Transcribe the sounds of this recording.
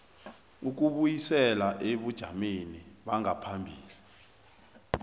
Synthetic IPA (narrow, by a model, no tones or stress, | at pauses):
uk̬uɓujisɛlaʔeɓud̥ʒ̥ʱa̰meniɓaŋʱapʰambʱiːli